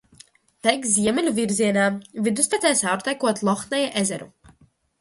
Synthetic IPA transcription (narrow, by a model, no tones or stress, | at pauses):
t̪ɛjkziɛmɛlʲuviɾziɛnaːvid̪usp̪ɛt̪sɛːsawɾt̪ɛjkuɔt̪lˠɔxnɛjaʔezɛɾṵ